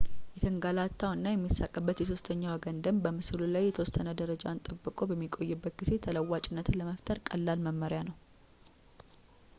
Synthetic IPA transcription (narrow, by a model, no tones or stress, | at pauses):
jɛt̪ʰəŋɡalat̪ʰːawɨnːajɛmːisːakʼːəbːət̪jɛs̬o̞st̪ʰəɲːawəɡənd̪əmbəmɨsɨlulajːɛt̪ʰəwɔst̪ənəd̪əɾəd͡ʒaɨnt̪ʼəbːɨkʼo̞bəmːikʼo̞jːɛbːət̪̚ɡɨse̞t̪ʰələwːat͡ʃʼɪnːət̪ləməft̪ʰəɾkʼəlːalməmːəɾjanəw